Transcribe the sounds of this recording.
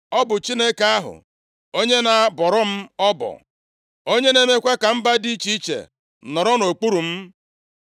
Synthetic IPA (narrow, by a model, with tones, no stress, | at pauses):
ɔ˦bʊ˨t͡ʃi˦ne˦ka˦ɦʊ̰˨ | o˦ɲe˦na˨˦bɔ˨ɾɔ˦m̩˦ɔ˦bɔ̰˨ | o˦ɲe˦ne˦me˦kʷe˦ka˨m̩˦ba˦di˦t͡ʃi˦t͡ʃḛ˨ | nɔ˨ɾɔ˦no˨k͡pu˦ɾu˨m̩˦